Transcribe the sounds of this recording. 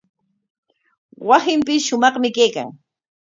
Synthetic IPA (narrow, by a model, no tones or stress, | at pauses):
wasɪmpɪsʃʊmɑχmɪkejka̰ŋ